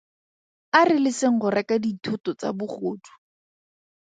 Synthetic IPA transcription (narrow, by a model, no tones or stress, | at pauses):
arɪlɪsɪŋ̩χʊrɛkaditʰʊtɔt͡sa̰bʊχoːtʰu̥